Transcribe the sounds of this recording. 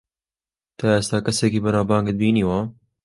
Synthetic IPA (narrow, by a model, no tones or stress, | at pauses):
t̪ɑːeːst̪aːkɐseːkiːbɐnaːbɑːŋɡɨd̪̚biːniːwaː